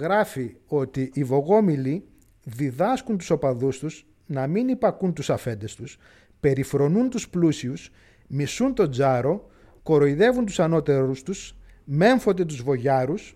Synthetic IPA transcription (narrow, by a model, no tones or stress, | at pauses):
ɣɾɐfio̞t̪iʔːvo̞ɣo̞mili | ðiðɐskunt̪u̥so̞pɐðust̪us | nɐminipɐkunt̪usɐfe̞nd̪e̞st̪us | pe̞ɾifɾo̞nunt̪usplusius | misunt̪o̞d͡zɐɾo̞ | ko̞ɾo̞iðe̞vunt̪u̥sɐno̞t̪e̞ɾust̪us | me̞ɱfo̞nd̪e̞t̪uzvo̞ʝɐɾus